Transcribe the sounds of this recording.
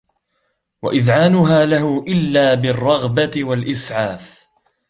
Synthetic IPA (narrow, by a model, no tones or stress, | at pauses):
wa̰ʔɪðʕaːnʊɦaːlaɦʊʔɪlːaːbɪrˤːɑɣbat̪ɪwalʔɪsʕaːf